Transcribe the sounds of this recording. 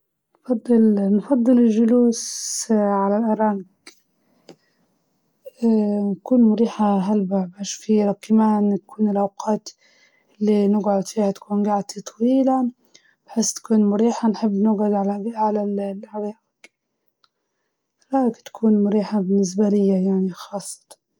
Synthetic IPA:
nfɑd̪ˤːɨlnfɑd̪ˤːɨlɪlʒʊluːs | ʕalalʔɑɾˤɑŋɡ | nkuːnmʊɾiːħaɦalbabaːʃfiɾˤɑkːamaːnt̪ḁkuːnɪlʔawqɑːt̪ | ɪlːinɪɡʕʊd̪fiːhat̪ḁkuːnɡaʕt̪it̪ˤʰɑwiːla | b̥ħeːst̪ḁkuːnmʊɾiːħanħɪbːnɪɡʕʊd̪ʕalaʕalallʔaɾˤɑːʔɪɡ | ɾˤɑːɡt̪ḁkʰuːnmʊɾiːħabɪnːɪs̬balɪjːajaʕnixɑːsˤːɑ̥t̪ˤɑ̥n

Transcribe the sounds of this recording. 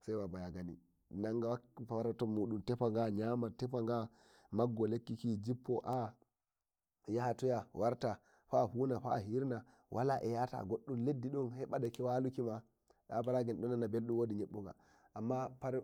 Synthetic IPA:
sajwabajaɡanḭ | naŋɡawfawaɾatɔmuɗumtɛfaŋɡaɲamatɛfaŋɡa | maɡːɔlekːikid͡ʒipːɔʔa | jahatujawʔaɾta | ɸahunaɸa̰ɦiɾna | wʔalaʔɛjata̰ɡoɗːumledːiɗɔnhɛɓadakiwalukima | ɗabaɾaɡinɗɔnːanːabelɗumwoːdiɲeɓːuŋɡa̰ | ʔamːapaɾ

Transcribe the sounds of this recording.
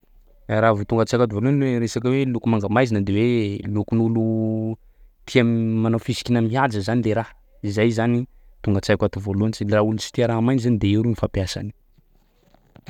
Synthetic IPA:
ɾavut̪uŋɡət͡sajkat̪ivoluanweɾesakəwelukumaŋɡamajzinəd̪ewelukunulu | t̪ʰiammanawfisi̥kinəmiad͡zəzanileɾah | izajzani | t̪uŋɡət͡sajkʲʷat̪uvoluanit͡ʃiraulunsi̥t̪iaɾaamajnizanid̪eiɾunifapjasa̰ni̥

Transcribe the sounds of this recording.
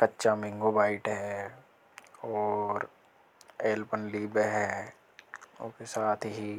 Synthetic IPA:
kɐtːʃamɪ̃ŋɡobaːɪʈɦɛ | ɔːɾ | eːlpənliːbeɦɛ | okesaːt̪ʰɦi

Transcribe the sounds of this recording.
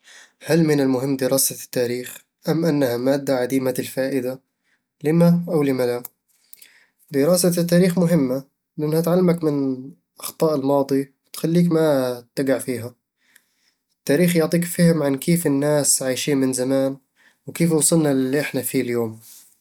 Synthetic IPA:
halmɪnɪlmʊɦɪmːd̪ɪɾɑːsat̪ːaːɾiːx | ʔamːʔanːahamaːd̪ːaʕad̪iːmaɪlfaːʔɪd̪a | lɪmaʔawlɪmala | d̪ɪɾɑːsat̪ːaːɾiːxmʊɦɪmːa | lɪʔɪnːhat̪ʕalːamakmɪn | ʔɑxt̪ˤɑːʔɪlmɑːd̪ˤiwɪt̪xalːiːkmat̪ːaɡaʕfiːɦa | ɪt̪ːaːɾiːxjʊʕt̪ˤiːkfɪhɪmʕankeːfɪnːaːsʕajʃiːnmɪnzamaːn | wkeːfwsˤɨlnalːiʔɪħnafiːljoːm

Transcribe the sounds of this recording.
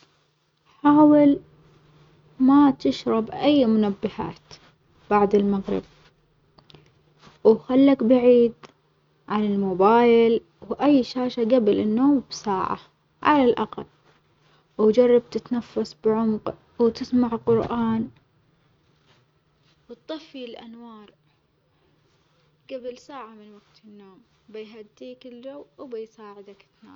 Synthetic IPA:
ħaːwɪl | mat̪ɪʃɾˤɑbʔajːmʊnabːɪha̰ːt̪ | b̥aʕd̪ɪlmaɣɾɪ̰b̚ | wxalːakbaʕiːd̪ | ʕanɪlmʊbaːjɪl | wʔajːʃaːʃaɡabɪlɪnːoːmbsaːʕa̰ | ʕa̰lalʔa̰qalː | wd͡ʒɑrˤːɑb̚t̪ɪt̪nafːasˤbʕʊmq | wt̪ɪsmaʕqʊɾʔaːn | wt̪t̪ˤːɑfːilʔa̰nwɑːɾˤ | ɡ̥ablsaːʕamɪnwaɡ̚t̪ɪnːoːm | bajɦad̪ːiːkɪld͡ʒawːwbajsaːʕɪd̪akɪt̪na̰ː

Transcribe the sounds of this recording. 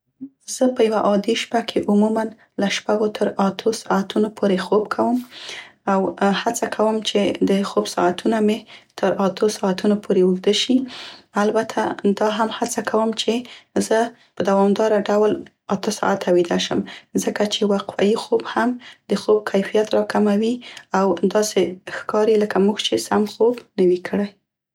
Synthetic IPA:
z̥əpəjawaʔɑd̪eʃpakʰeʔʊmuman | laʃpaɡot̪ʰəɾat̪ʰosɑat̪unopʰoɾexobkʰawəmawhat͡sakʰawəmt͡ʃed̪əxobsɑ̰at̪ʰunamet̪ʰəɾat̪ʰosɑat̪unopʰoɾeuɡd̪əʃialbat̪ʰad̪ɑɦamhat͡sakʰawəmt͡ʃezə | pəd̪awɑmd̪ɑɾaɖawl | at̪əsɑ̰at̪awid̪aʃəmzəkat͡ʃewaqfa̰jixobhamd̪̥əxob̚kʰajfijat̪ɾɑkamawiawd̪ɑsexkɑɾeləkamuɡt͡ʃesamxobnəwikʰəɽaj

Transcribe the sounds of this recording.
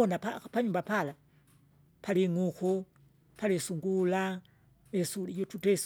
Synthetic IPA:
ɔnapapaɲumbapala | paliŋuxu | palisuŋɡula | mɛsulijɔtutɛs

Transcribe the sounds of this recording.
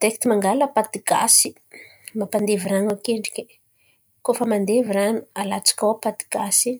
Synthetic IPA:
t̪ekt̪imaŋɡaləpat̪iɡ̥a̰si̥ | mapand̪eviranakeɳɖ͡ʐi̥ke | kofəmand̪eviranu̥alat͡sḁkʲawpat̪i̥ɡ̥asi

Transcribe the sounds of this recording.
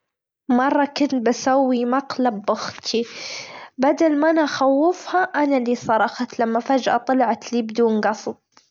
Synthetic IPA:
mɑrˤːɑkʊnt̪̚basawːimaqlabːʊxt̪ʰi | bad̪almaʔanʔaxawːɪfhaʔanalisˤɑɾˤɑxɑt̪lamːafad͡ʒʔa̰t̪ˤɑlʕat̪liːbd̪uːnɡɑsˤb̚

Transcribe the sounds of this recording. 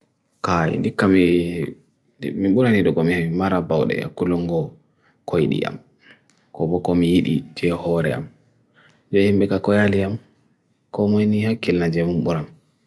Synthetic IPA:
kajḭndikːami | miɓuɾaniɗɔɡɔmihaimaɾabawɗɛ̰ja̰kːulɔŋɡɔ | kʰojɗḭʔa̰m | kɔbɔkɔmijiɗḭd͡ʒɛhɔɾɛ̰a̰m | d͡ʒɔhimɓɛkakɔjaliam | kɔmɔjnihakːilnad͡ʒɛmumɓuɾam

